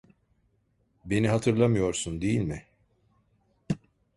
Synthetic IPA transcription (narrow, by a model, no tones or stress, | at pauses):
be̞niɦat̪ʰɯɾlˠamɯjo̞ɾsund̪e̞jilʲmɪ